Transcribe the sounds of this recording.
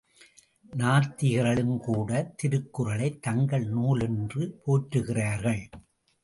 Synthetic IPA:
naːɾt̪ɪɣɐɾɐɭɯmkuːɽɐt̪ɪɾɯkːɯrɐɭɐɪt̪ːɐŋɡɐɭnuːlɛndrɯpʰoːʈɾɯɣɪraːɾɣɐɭ

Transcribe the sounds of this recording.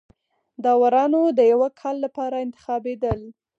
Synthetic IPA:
d̪ɑwaɾɑnod̪əjawakʰɑlːapɑɾaɪnt̪ɪ̥xɑbed̪əl

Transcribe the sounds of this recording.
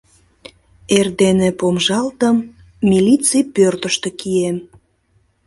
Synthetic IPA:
erd̪enepomʒɑlt̪əmː | ilʲit͡sijpørt̪əʃt̪ekiem

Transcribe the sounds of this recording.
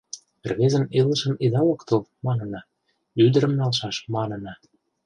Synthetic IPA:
erβezə̆nelə̆ʃə̆nid̪ɑlɤ̆kt̪əlmɑnə̆nɑ | yd̪əɾə̆mnɑlʃɑʃmɑnə̆nɑ

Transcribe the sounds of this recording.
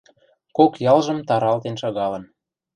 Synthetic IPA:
kokjɑlʒə̆mt̪ɑɾɑlt̪enʃɑɣɑlə̆n

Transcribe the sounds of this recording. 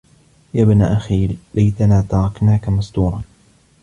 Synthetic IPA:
jaːbnaːʔaxiːllajt̪anaːt̪ɑɾˤɑknaːkamast̪uːɾˤɑn

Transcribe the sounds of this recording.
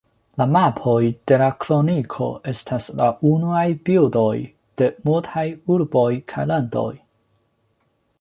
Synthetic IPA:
lamapʰo̞jd̥e̞lakɾo̞nikʰo̞̰e̞stʰaslaʔunuajbildo̞j | d̥e̞multʰajuɾbo̞jkʰajlando̞̰j

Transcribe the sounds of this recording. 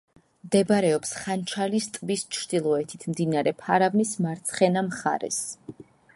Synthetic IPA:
md̪ɛbaɾɛɔpsχant͡ʃʰalist̪ʼbist͡ʃʰɾd̪̥ilˠɔɛt̪ʰit̪ʰmd̪inaɾɛpʰaɾavnismaɾt̪sʰχɛnamχa̰ɾɛ̰s

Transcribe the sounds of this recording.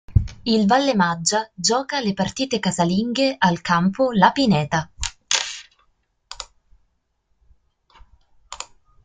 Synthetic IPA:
ilvalːemad͡ʒːad͡ʒɔːkalepart̪iːt̪ekazaliŋɡeʔalkʰampolapinɛːt̪a

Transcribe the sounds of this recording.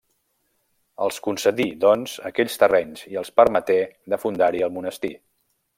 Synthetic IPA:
əlˠskunsəðid̪ɔnzəkɛʎst̪ərɛɲziəlˠspəɾmət̪eðəfund̪aɾiəlˠmunəst̪i

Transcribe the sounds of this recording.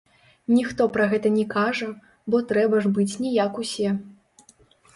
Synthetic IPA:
nʲixt̪ɔpɾɐɣɛt̪ɐnʲɛkaʐɐ | bɔt̪ɾɛbɐʐbɨt͡sʲnʲɛjakusʲɛ

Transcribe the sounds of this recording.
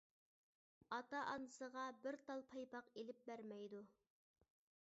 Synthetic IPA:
ɑt̪ɑʔɑnɨsəʁɑbɪɾt̪ʰɑlˠpʰɑjpɑqelɪp̚bæɾmɛjd̪u

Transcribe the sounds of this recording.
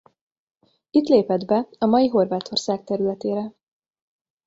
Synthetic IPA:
it̪leːpɛd̪bɛɒmɒjiɦo̞rvaːt̪ʰo̞rsaːk̚t̪ɛɾylɛt̪eːɾɛ

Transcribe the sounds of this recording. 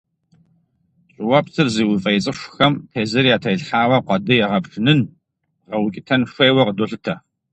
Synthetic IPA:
ɕʼɪwɐpsʰɨrziːwʊfʼɐjt͡sʼɨʂʷxɐmtʰeːzɐɾijaːtʰɐjɮħaːwɐqʷɑdɨjɛʁɐpʈ͡ʂɨnɨn | ʁɐwʊkʲʼɪtʰɐnʂʷeːwɐqədoːɬɨtʰɐ

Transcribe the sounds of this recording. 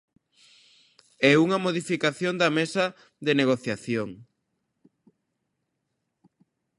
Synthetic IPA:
ɛuŋɐmoðifikaθjond̪ɐmesɐ | ðeneɣ̞oθjaθjoŋ

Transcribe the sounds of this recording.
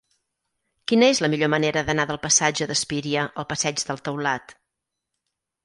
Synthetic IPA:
kinəezləmiʎoməneɾəðənaðəlˠpəsad͡ʒəðəspiɾiəʔəlˠpəsɛd͡ʒðəlˠt̪əwlat̪

